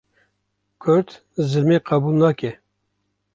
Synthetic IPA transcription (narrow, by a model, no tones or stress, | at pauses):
kʰʊɾt̪ | zɨlmeːqɑbuːlnɑːkɛ